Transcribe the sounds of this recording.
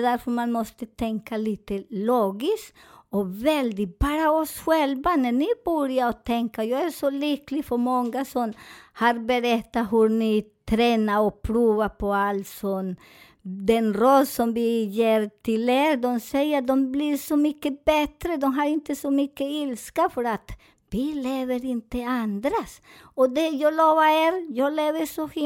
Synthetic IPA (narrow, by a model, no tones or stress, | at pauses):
d̪æɾfœɾmanmɔst̪ət̪ʰɛŋkaliːt̪əloːɡɪsɔvɛld̪ɪbɑːɾaɔsɧɛlvanɛnɪbuɾjaɾɔt̪ʰɛŋkajɑːɡæʂɔliklɪɡfœɾmɔŋɡasɔmhaɾbɛɾɛt̪ːaɦɵɾnɪt̪ʰɾɛːnaɾɔpʰɾuːvapʰɔalsɔm | d̪ɛnɾɔlsɔmvɪjeːɾt̪ʰɪleːɾd̪ɔmsɛjːəɾd̪ɔmbliɾsɔmʏkːəbɛt̪ɾəd̪ɔmɦaɾɪnt̪əsɔmʏkːəɪlskafœɾat̪ | vileːvəɾɪnt̪əand̪ɾas | ɔd̪ɛjɑːloːvaeɾjɑːɡleːvəʂɔh